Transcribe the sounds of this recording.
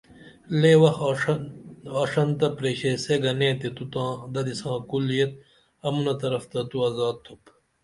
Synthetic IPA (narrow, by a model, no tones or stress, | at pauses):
leːwɐx | aːʂɐnt̪ɐpɾeɕeseɡɐnẽːt̪et̪ut̪ãːd̪ɐd̪isãːkulːijet̪̚ | ɐmunɐt̪ɐɾɐft̪ɐt̪uɐzaːd̪̚t̪ʰup